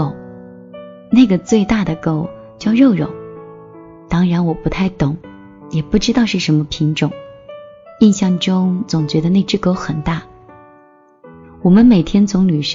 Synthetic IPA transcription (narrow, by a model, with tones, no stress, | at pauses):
o˨˩ʊ | na˥˩ɪɡə˩t͡swe˥˧ɪt̪a˥˩d̪ə˩ko˥˩ʊ | t͡ɕjɑ˥˧ʊɻo˥˧ʊɻʊ̰˨˩˦ŋ | t̪ɑ˥ŋɻa˧˥nwɔ˨˩pu˧˥t̪ʰa˥˩ɪt̪ʊ˨˩˦ŋ | jɛ˨˩pu˥˩ʈ͡ʂɻ̩˥t̪ɑ˥˧ʊʂɻ̩˥˩ʂə˧˥nmə˧pʰi˧˥ŋʈ͡ʂʊ˨˩˦ŋ | i˥˧nɕjɑ˥˩ŋʈ͡ʂʊ˥ŋt͡sʊ˨˩ŋt͡ɕɥɛ˧˥d̪ə˧ne˥˧ɪʈ͡ʂɻ̩˥˧ko˥ʊxə˨˩nt̪a˥˩ | wɔ˨˩mə˦nme˨˩ɪt̪ʰjɛ˥nt͡sʊ˧˥ŋly˨˩ʂ